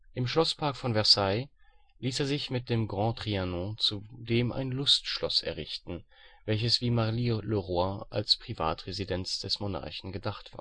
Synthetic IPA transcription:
ʔɪmʃlɔspʰaɐkfɔnvɛɐsaɪ | liːseːɐzɪçmɪt̚d̥eːmɡʁɑ̃ːtʁ̥ianɔ̃t͡sudeːmʔa̰ɪnlʊstʃlɔsɛ̰ɐʁɪçtn̩ | vɛlçəsv̥iːmaʁliløʁoaʔa̰lspʁ̥iva̰ːtʁezidɛnt͡sd̥ɛsmona̰ɐçn̩ɡədaχtv̥a̰ːɐ

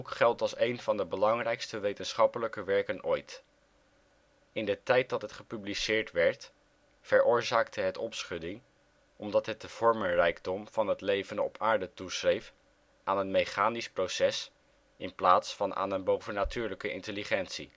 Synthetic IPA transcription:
kχɛlˠtɑlˠsejnvɑndəbəlɑŋrɛjkstəʋejtənsχɑpələkəʋɛɹkənojt | ɪndətɛjt̚dɑtɦətχəpyblisɪːɹtʋɛɹt | fəɹʊːɹzaːk̚tʰəɦətɔpsχɵdɪŋ | ɔmdɑtɦət̚dəv̥ɔɹmənrɛjɡdɔmv̥ɑnɦətlejvənəɔ̰pʰaːɹdətusrejf | ʔaːnənmejχaːnisprowsɛs | ɪnplaːtsfɑnʔa̰ːnənbowvənatyːɹləkəʔɪ̰ntəliχɛntsi

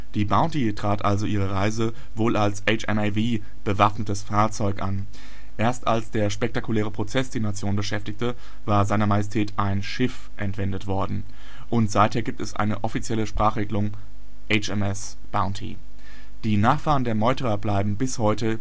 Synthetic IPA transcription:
d̥iːbaʊntitʁ̥aːtʔalzoʔiːʁəʁaɪzə | voːlalsʔɛt͡ʃɛmaviː | b̥əvafnətəsfaːɐt͡sɔʏkʔan | ʔeːɐstalsd̥eːɐʃpɛk̚takulɛːʁ̞əpʁ̥ot͡sɛsd̥iːɐnat͡sjoːnbəʃɛftɪçtə | vaːɐzaɪnɐmajɛs̬tʰɛːtʰʔaɪnʃɪf | ʔɛntv̥ɛndətv̥ɔɐdn̩ | ʔʊntz̥aɪtheːɐɡiːp̚tɛsʔa̰ɪnəʔɔfit͡sjɛləʃpʁ̥aːχʁeːɡlʊŋ | ʔɛɪt͡ʃɛmɛs | b̥aʊ̃ntʰḭ | d̥iːnaːχfaːʁəndeːɐmɔʏtəʁɐblaɪbm̩bɪshɔʏtə

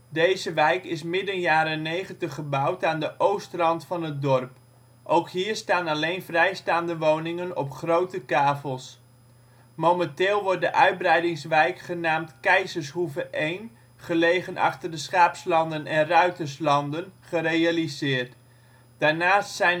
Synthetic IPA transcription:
dejzəʋɛjkɪs̬mɪdənjaːɾənejχəntəχəbɑwtaːndəʔowstrɑntfɑnət̚dɔrp | ʔowkɦiːɹstaːnɑlejnvrɛjstaːndəʋownɪŋənɔ̰pχrowtəkaːfəlˠs | mowməntɪːlˠʋɔɹt̚dəʔœɥd̚brɛjdɪŋsʋɛjkχənaːmtkɛjzəɹshuvəʔejn | χəlejχənʔɑ̰χtərdəsχaːpslɑndənɛnrœɥtərslɑndənχərejalizɪːɹt | d̥aːɹnaːstsɛjn

